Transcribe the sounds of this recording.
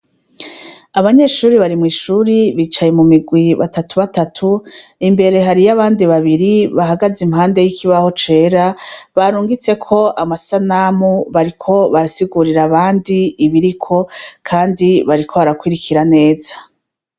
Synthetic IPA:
aβaɲe̞ːʃuːɾiβaɾimŋiːʃuɾiβiːt͡ʃaje̞mumiɡwiβa̰tatuβatatʰuimbe̞ɾe̞ɦaɾijaβaːndiβaβiɾiβaɦaɡazimɦaːnde̞jikʰiβaho̞t͡ʃe̞ːɾaβaɾuːŋɡit͡se̞kʰo̞ʔamasanamuβaɾikʰo̞βaɾasiɡuɾiɾaβaːndiːβiɾikʰo̞kʰaːndiβaɾikʰo̞βaɾakwiɾikiɾane̞ːz̥ḁ

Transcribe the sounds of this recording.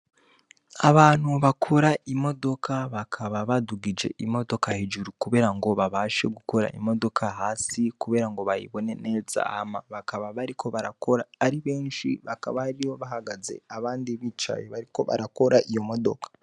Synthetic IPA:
aβaːn̥huβakʰoɾaimo̞do̞kʰaβakʰaβaβaduɡid͡ʒe̞̰ʔimo̞do̞kahid͡ʒuɾukuβe̞ːɾaŋɡo̞βaβaːʃe̞ɡuko̞ɾa̰ḭmo̞do̞kʰaɦaːsikuβe̞ːɾaŋɡo̞βajḭβo̞ne̞ne̞za̰ːmaβakaβaβaɾikʰo̞βaɾako̞ɾaːɾiβe̞ːnʃḭβaka̰βaaɾijo̞βaɦaɡaze̞̰aβaːndiβit͡ʃa̰jeβaɾiko̞βa̰ɾako̞ɾaʔijo̞mo̞do̞̰kḁ

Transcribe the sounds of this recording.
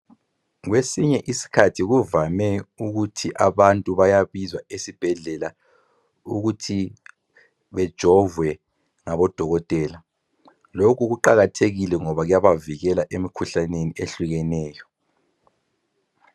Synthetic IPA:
ɣwesiɲɛʔisi̥kʰatʰiɣuvamɛuɣutʰiʔaβantʼuβajaβizwaesib̥ʱɛɮɛla | uɣutʰi | βɛd̥ʒ̥ʱɔvwɛ | ŋaβɔd̥ʱɔɣɔtʼɛːla | lokʰuɣuǃaɣatʰeɣilɛŋɔβaɣjaβaviɣɛlaʔemikʰuɬaneniʔeɬuɣɛnɛːjɔ

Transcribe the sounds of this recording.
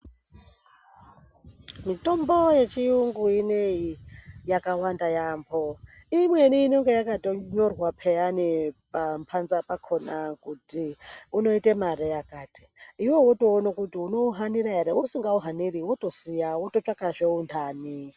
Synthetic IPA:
mito̞mboje̞t͡ʃiuŋɡuineijakawandajambʰo | imweniːnoŋɡe̞jakatoɲorwapʰejanipampʰanzapakʰonakutiuno̞itemarijakaːti̥ːwewoto̞ːnokutiuno̞ɦaniɾaɦeɾeusiŋɡauɦaniɾiwotosijawotot͡ʃakaʐeundʰaːni

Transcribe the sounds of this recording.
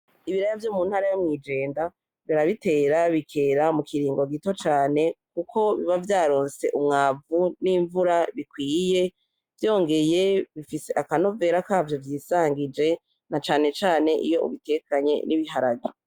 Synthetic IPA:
iβiɾajavjoːmuːnhaɾajomŋiːd͡ʒe̞ːnda | βiɾaβite̞ːɾaβikʰe̞ːɾamukiɾiːŋɡo̞ɡito̞t͡ʃaːne̞kukʰo̞βiβavjaːɾo̞ːnse̞ʔumŋaːvuniːɱvuɾaβikwiːje̞ | vjo̞ːŋɡe̞je̞βifiseʔakano̞ve̞ːɾakaːvjo̞vjiːsaːŋɡid͡ʒe̞ | nat͡ʃaːne̞t͡ʃaːne̞ʔḭjo̞ṵβite̞kaɲe̞̰niβiɦaɾaɡi

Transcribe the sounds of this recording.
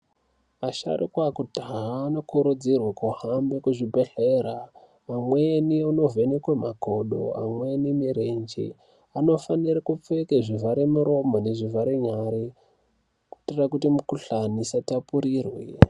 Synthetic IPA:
aʃa̰rikwakudʱaɦaːno̞kuɾud͡zirwakuhambekuʐibʱeɬera | mamweniuno̞venekwemako̞ɗo̞̰a̰mwenimiɾend͡ʒḭ | ano̞fanirakup͡fekeʐivaɾemuɾo̞mone̞ʐivaɾeɲaɾi | kutirakutimukuɬanisatapuɾirwi

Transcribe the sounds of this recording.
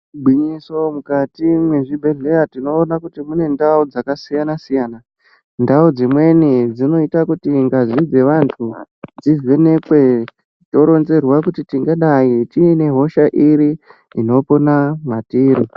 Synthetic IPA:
bʱwiɲiso̞mukatimweʐibʱe̞ɮe̞atino̞ːnakutimune̞ndaud͡zakasijanasijaːna | ndaud͡zimwe̞nid͡zino̞itakutiŋɡazid͡ze̞ʋantʰu | d͡zizʋe̞ne̞kwe̞ | to̞ɾo̞nze̞rwakutitiŋɡaɗaitine̞ɦo̞ʃaʔiɾi | ino̞po̞namatiːɾo

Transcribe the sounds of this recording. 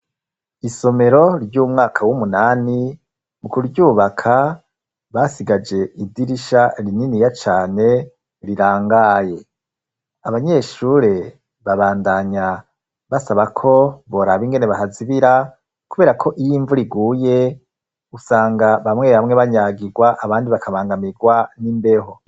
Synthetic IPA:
iso̞me̞ɾo̞ɾjuːmŋaːkʰawumunaːni | mukuɾuɟuːβakʰa | βaːsiɡad͡ʒe̞idiɾiʃaɾininijat͡ʃaːne̞ | ɾiɾaːŋɡaːje̞ | aβaɲe̞ʃuɾe̞ | βaβaːndaɲa | βasaβakʰo̞βo̞ɾaβiŋɡe̞ne̞βahaziβiɾa | kuβe̞ːɾakʰo̞ʔijiːɱvuɾiɡuːje̞ | usaːŋɡaβamŋe̞ːβamŋe̞βaɲaɡiɡwaʔaβaːndiβakʰaβaːŋɡamiɡwanimbe̞ho̞

